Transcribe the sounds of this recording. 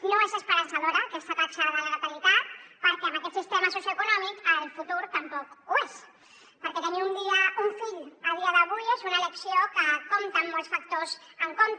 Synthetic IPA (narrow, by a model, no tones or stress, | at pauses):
noezəspəɾansaðoɾakest̪at̪ɾaksoɾβaləlk̪walit̪at̪̚pəɾkɛmakɛt̪sist̪emasosjuekunɔmikəlˠfut̪uɾt̪əmpɔkues | pəɾkɛt̪ɛniund̪iəuɱfiʎəlˠðiəðəβ̞ujezunaeleksiokəkomt̪əmːɔlˠsfak̚t̪ozəŋkont̪